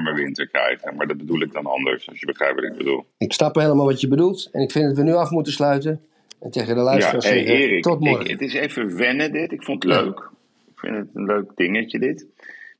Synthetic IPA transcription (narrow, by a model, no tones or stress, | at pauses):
məʋɪntəɹkɛ̰jχəmaːɹdɑd̚bədulˠɪɡ̚dɑnɑ̰ndə̰ɹsɑ̰sjəbəχrɛ̰jp̚ʋɑtɪɡ̚bədṵlˠɪksnɑpheləmaːlˠʋɑtjəbədulˠtɛnɪkfɪndɑtʋənyɑfmutəslœɥtən | ɛnteχədəlœjsatəseɪːrɪktɔtmɔrə̰tɪsejvəʋɛnədɪtɪkfontətlø̰ɥk | ɪkfɪ̰ntətənløɥkdɪŋəcədɪt